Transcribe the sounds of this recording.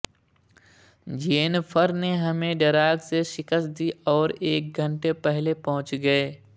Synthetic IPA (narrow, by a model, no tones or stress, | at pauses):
d͡ʒeeːnfʰəɾneɦɐmẽɖɐɾaːɡseʃɪkəst̪̚d̪iʔɔːɾeːk̚ɡʱə̃ɳʈepɛɦlepɐɦʊ̃t͡ʃɡɐeː